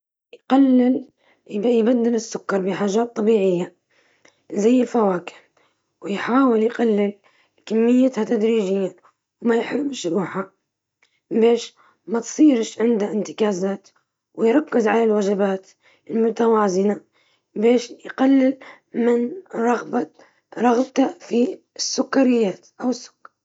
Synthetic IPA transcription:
jqalːɪl | jbad̪ːɪlɪsːʊkːɑɾˤbɪħaːʒaːt̪ˤːɑbiːʕɪjːa | zajːɪlfawaːkɪ̥ | wɪjħaːwɪljqalːɪl | kamːɪjːat̪hat̪ad̪ɾiːd͡ʒɪjːa | wmajħɾbɪʃɾuːħha | beːʃ | mat̪sˤiːɾʃʕɪnd̪aʔɪnt̪ɪ̥kaːzaːt̪ | wɪjɾˤɑkːɪzʕalalwad͡ʒabaːt̪ | ɪlmʊt̪awaːzɪna | beːʃjqalːɪl | mɪnɾˤɑɣba | ɾˤɑɣbt̪afi | sːʊkːaɾɪjːaːt̪ʔawɪsːʊ̥kːɑ̥ɾ

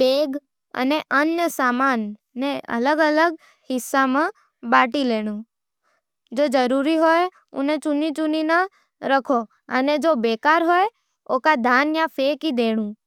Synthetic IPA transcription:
beɡ | ə̰neʔənjəsamanː | eə̰ləɡələɡ | hɪsːamã | baʈileɽ̃ũ | d͡ʒod͡ʒəɾuɾiɦoj | ṵnet͡ʃunit͡ʃuninə | ɾəkʰo | əned͡ʒobekaɾɦoj | okad̪ʱanjafʰekid̪eɽ̃ũ

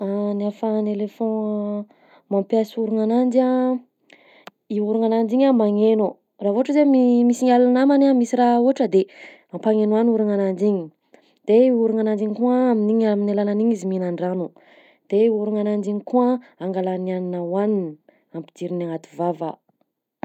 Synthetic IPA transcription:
anafanelefɔ̃ | mampjasuɾuŋanand͡ʒia | iuɾuŋanand͡ʒiɲamaŋenu | ravoaʈ͡ʂəzemimisiŋalanamanamisiɾauaʈ͡ʂəd̪e | ampaŋenuanuɾaŋanand͡ʒiɲi | d̪̥eiuɾuŋanand͡ʒiɲikuaːminiɲaminalananiɲiziminaɳɖ͡ʐanu | d̪̥euɾuŋanand͡ʒiɲikuaaŋɡalanianinawanin | ampid̪iɾinaŋat̪uvava

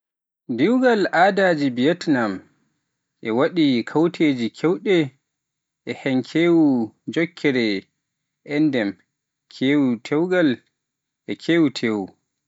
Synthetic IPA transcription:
diwɡalʔaːdaːd͡ʒibijɛtnam | ʔɛwaɗikʰawtʰeːd͡ʒikʰɛwɗɛ | ʔɛhɛŋkʰeːwud͡ʒɔkʰːɛɾɛ | ʔɛndɛm | kʰeːwutʰɛwɡal | ʔɛkʰeːwutʰeːwu

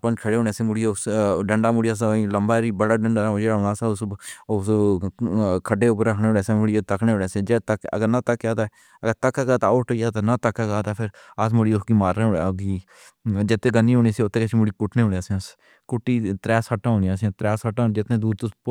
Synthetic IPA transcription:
pənkʰəɽeːɦoːneːsemʊɽioʊsɖəɳɖaːmʊɽijaːs̬aĩləmbaːɾiːbəɽaːɖəɳɖaːd͡ʒeːɽaːɦoːnaːsaːʊsʊs | kʰəɖeːʊpəɾəkʰneːɦoːɽeːseːmʊɽijet̪əkʰnẽːoːneːseːd͡ʒet̪əkə̰ɡəɾnãːt̪əkːaːt̪aː | əɡəɾt̪əkːaːɡaːt̪aːoːʈoijaːt̪ãnãːt̪əkːaːɡaːt̪aːpʰɪɾ | əsmʊɽiːʊsɡiːmaːɾːeːoːeɡiː | d͡ʒɪt̪ːeːɡənːiːɦoːniːsiʊt̪ːeːkət͡ʃʰimʊɽiːkʊʈʰneːɦoːneaːsẽs | kʊʈːiːt̪ɾɛːsəʈːãːɦõːnijãːsĩt̪ɾɛːsəʈːãːd͡ʒɪt̪nẽːd̪uːɾt̪ʊs

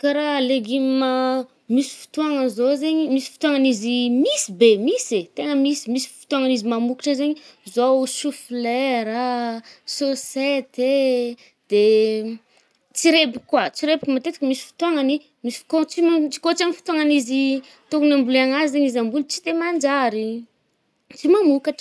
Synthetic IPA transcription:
kaɾaleɡimma | misi̥fu̥t̪uaŋəzozeɲimisi̥fu̥t̪uaŋanizimisibemiset̪eŋəmisi̥misi̥fi̥t̪uaŋənizimamuki̥ʈ͡ʂəzeɲizoʃuflɛɾasoset̪e | d̪̥e | t͡siɾebikwat͡siɾebikʲumat̪et̪i̥kəmisi̥fi̥t̪uaŋəni | misi̥fi̥kot͡simat͡ʃi̥kot͡siamifi̥t̪uaŋanizi | t̪ukunambulaŋazizeɲizambulut͡sid̪emand͡ʒaɾi | t͡simamukaʈ͡ʂ

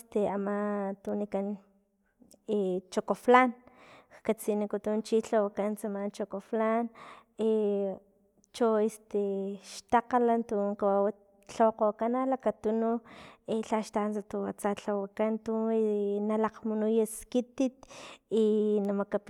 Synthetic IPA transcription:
st̪eamat̪unikan | et͡ʃokoflankkat͡sinikut̪unt͡ʃiɬawakant͡samant͡ʃokoflane | t͡ʃoest̪eʃt̪aqalant̪uŋkawawa | ɬawqokanalakat̪unueɬaʃt̪ant͡sat̪uwat͡saɬawakant̪unalaqmunujaskit̪it̪inamakap

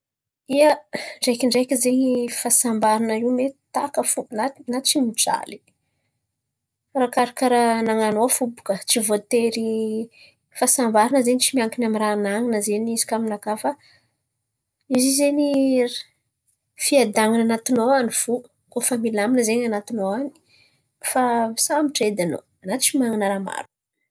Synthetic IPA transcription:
iəɳɖ͡ʐekiɳɖ͡ʐekʲizeɲifasambaɾinəiwmet̪akəfunanat̪t͡ʃimiʈ͡ʂa̰li̥ | rakaɾakaɾanaŋanofubu̥kət͡sivot̪eɾi | fasambaɾanəzenit͡ʃimiaŋkinamiɾanaŋinəzeɲizi̥kaminakafə | izizeni | fiad̪aŋinanat̪inowanifu | kofamilaminəzeɲanat̪inowani̥ | fasamiʈ͡ʂed̪ano̰ | anat̪i̥t͡ʃimaŋinəɾama̰ɾuk

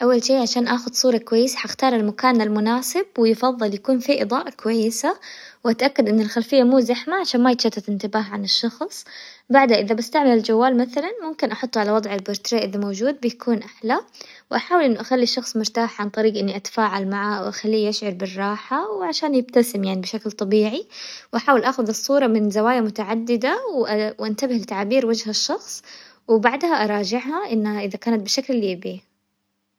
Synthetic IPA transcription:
ʔawːalʃiːʕaʃaːnʔaːxʊd̪sˤuːɾˤɑkʊwajːɪsḁħaxt̪ɑːɾˤalmakaːnalmʊnaːsɪb̚wɪjɪfɑðˤːɨljakuːnfiʔɨ̰d̪ˤɑːʔakʊwajːɪsawʔat̪ʔakːad̪ʔɪnːalxalfɪjːamuːzaħmaʕaʃaːnmajɪt̪ʃat̪ːatɪnt̪ɪbaːɦʕanɪʃːɑxsˤbaʕd̪haʔɪðabɪst̪aʕmalɪld͡ʒawːaːlmaθalanmʊmkɪnʔɑħʊt̪ˤːʕalawɑd̪ˤʕalboɾt̪ɾeːʔɪðamowd͡ʒuːd̪̚bɪjakʰuːnʔaħlawʔaħaːwɪlʔɪnːʊʔaxalːiʃːɑxsˤmʊɾt̪aːħʕant̪ˤɑɾiːɡʔɪnːiʔat̪ḁfaːʕalmaʕawʔaxalːiːʔaʃʕʊɾˤbɪrˤːɑːħawʕaʃaːnjɪb̚t̪asɪmjaʕnibɪʃaklt̪ˤɑbiːʕiwʔaħaːwɪlʔaːxʊðɨsˤːuːɾˤɑmɪnzawaːjamʊt̪aʕad̪ːɪd̪awʔwʔant̪abɪhlɪt̪aʕabiːɾwad͡ʒɦaʃːɑxsˤ | wɪbaʕd̪haʔɑɾˤɑːd͡ʒɪʕhaʔɪnːhaʔɪðakaːnat̪̚bɪʃaklliːbiː

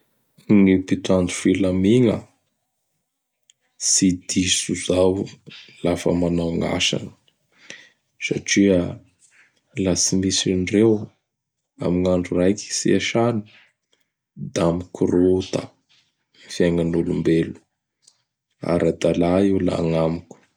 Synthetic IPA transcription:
ŋipit̪and̪u̥filamiŋə̰ | sid̪isuzawlafə̰manawŋa̰sa̰nə̥ | saʈ͡ʂiə | lat͡simisinrew | a̰miŋaɳɖ͡ʐurajki̥siaʃani̥ | d̪amikurot̪ə | mfiaŋanulumbelu̥ | a̰ɾad̪alaiwla̰ŋamikʲu̥

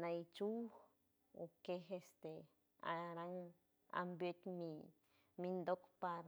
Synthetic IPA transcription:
nait͡ʃu | okeɦest̪e | a̰ɾaŋ | a̰mbjet̪ʲmi | mind̪okpaɾ

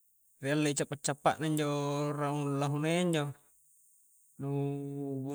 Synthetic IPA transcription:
realːeit͡ʃapːat͡ʃːapːaʔnaiɲd͡ʒoraulaɦuneiɲd͡ʒo | nubu

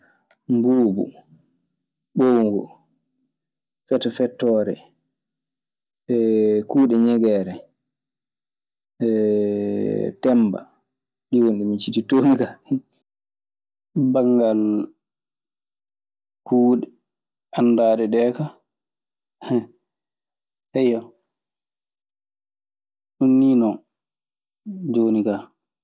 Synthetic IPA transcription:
mbuːbṵ | ɓowŋɡɔ̰ | fɛtːɔfɛtːɔɾɛ̰ | ɛkuːɗɛɲɛɡɛːɾɛ | ɛ | tɛmba̰ | ɗiwonɗimit͡ʃititoːmikah | baŋɡal | kuːɗɛ | andaːɗɛɗɛːka | hɛ | hɛjɔ | ʔunːinɔ | d͡ʒoːnika

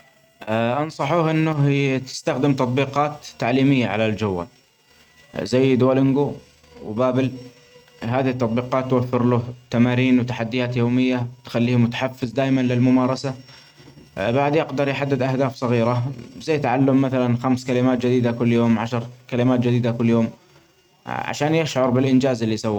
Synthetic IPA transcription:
ʔɑnsˤɑħuːhʔɪnːʊɦt̪ɪ̥st̪axd̪ɪmt̪ɑt̪ˤbiːqɑːt̪ːaʕliːmɪjːaʕa̰lald͡ʒʊwːa̰l | zajːd̪ʊwalʔɪnɡu | wbaːbɪl | ɦaːðɪhɪt̪ːɑt̪ˤbiːqɑːt̪ːwafːɪɾlʊht̪amaːɾiːnwt̪aħad̪ːɪjaːt̪joːmɪjːat̪xalːiːhmʊt̪ḁħafːɪzd̪aːjmanlɪlmʊmɑːɾˤɑsa | baʕd̪jɪqd̪ɑɾˤjħad̪ːɪd̪ʔahd̪aːfsˤɑɣiːɾazajːt̪aʕalːʊmːaθalanxamskalɪmaːt̪̚d͡ʒɪd̪iːd̪akʊlːjoːmʕaʃɑɾˤkalɪmaːt̪̚d͡ʒɪd̪iːd̪akʊlːjoːm | ʕa̰ʃaːnjɪʃʕʊɾˤbɪlʔɪnd͡ʒaːzɪlːisawːa

